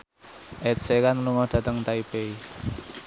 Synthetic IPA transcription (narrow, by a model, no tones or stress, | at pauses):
ʔɛtsekanluŋɔɖ̥ä̤t̪əŋt̪aibei